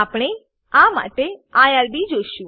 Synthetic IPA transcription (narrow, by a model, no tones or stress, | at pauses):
apɽ̃e | ama̰ʈeajaɾbid͡ʒoʃũ